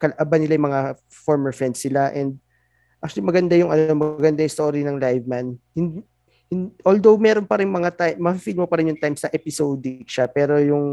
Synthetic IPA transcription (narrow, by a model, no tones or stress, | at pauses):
kɐlɐʔabanɪlajʊŋmɐŋa | foɹmɛɹfɹɛnd̪sːɪlaʔɛnd̪̚ | ʔʔakt͡ʃʊwɐlimɐɡɐnd̪ajʊŋɐno̞mɐɐɡɐnd̪ajʊŋst̪o̞ːɾinɐŋlajvmanhɪnd̪ | hɪnʔold̪owmɛːɾo̞npɐɾɪŋmɐŋat̪ajmːɐɐfifilmopɐɾɪnjʊŋt̪ajmsɐʔɛpɪsowd̪ɪkʃapɛːɾo̞jʊŋ